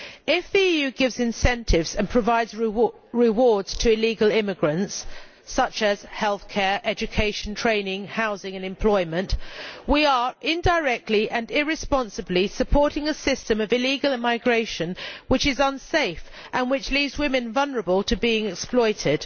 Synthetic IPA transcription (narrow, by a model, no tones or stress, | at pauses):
ɪfðiijʉɡɪvzɨ̃nsɛ̃ntʰɪvz̥ɨ̃npʰɹ̥əvaɪdz | ɹɪwɔɹdz̥tʰɨɪliɡəlˠɪmɨɡɹɨ̃nts | ʌt͡ʃɨz̥hɛlˠθkʰɛɹʔɛd͡ʒɨkʰeɪʃn̩tʰɹ̥ẽɪ̃nɪ̃ŋhaʊzɪ̃ŋɨ̃nɨ̃mpʰl̥ɔɪmɨ̃nʔwiə˞ʔɪ̃ndəɪɹɛk̚tʰˡliʔɨ̃nɪɹɨspɑ̃nsɨblisɨpʰɔɹɾɪ̃ŋəsɪstɨ̃mʌvɨliɡəlˠɪmaɪɡɹeɪʃɨ̃nwɨt͡ʃɨzə̃nseɪf | ʔə̃nwɨt͡ʃlivzwɪ̃mɨ̃nvʌlˠnə˞əbəlˠtʰɨbiɪ̃ŋɛksplɔɪtɪd̥